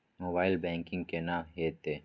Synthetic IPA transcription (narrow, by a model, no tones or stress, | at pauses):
moːbaːɪlbɛ̃ːŋkɪ̃ŋɡkenaːmɦeːt̪eː